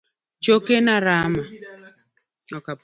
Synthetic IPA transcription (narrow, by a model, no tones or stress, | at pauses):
t͡ʃokenaɾama | ɔka